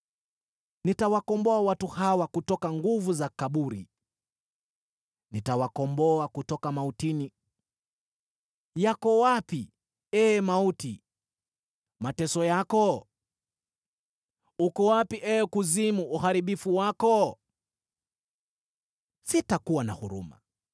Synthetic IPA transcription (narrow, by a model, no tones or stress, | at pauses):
nitawakɔmbɔawatuhawakutɔkaŋɡuvuzakaɓuɾḭ | nitawakɔmbɔakutɔkamautini | jakɔwapi | ɛmauti | matɛsɔjakɔ | ukɔwapiʔɛkuzimuːhaɾiɓifuwakɔ | sitakuwana̰huɾṵma̰